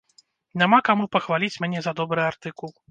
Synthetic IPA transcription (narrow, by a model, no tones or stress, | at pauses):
nʲamakamupɐxvalʲit͡sʲmʲnʲɛzɐd̪ɔbɾɨart̪ɨkulˠ